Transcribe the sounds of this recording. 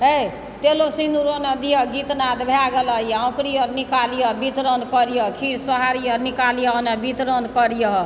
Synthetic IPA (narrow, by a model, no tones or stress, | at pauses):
e | t̪elosinuɾonad̪ijʌɡit̪nad̪bʱjaɡelʌjawkɾijʌɾnikalijʌbit̪ɾonkɔɾijokʰiɾsəɦaɾijʌɾnikalijɔnabit̪ɾonkɔɾijɔ